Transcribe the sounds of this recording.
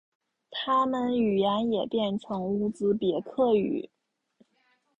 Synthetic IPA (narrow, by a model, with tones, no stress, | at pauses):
t̪ʰa˥mə˨ny˨˩jɛ˧˥njɛ˨˩pjɛ˥˩nʈ͡ʂʰɤ˧˥ŋu˥˩t͡sɹ̩˥pjɛ˧˥kʰɤ˥˩y̰˨˩˦